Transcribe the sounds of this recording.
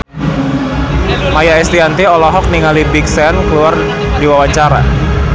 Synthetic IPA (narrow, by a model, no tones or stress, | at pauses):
majaɛst̪iant̪iɔlɔɦɔk̚niŋalibiksɛnkəluar | diwawat͡ʃaɾa̰